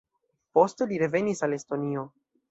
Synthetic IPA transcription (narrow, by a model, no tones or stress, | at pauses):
po̞ste̞liɾe̞ve̞nisale̞sto̞nio̞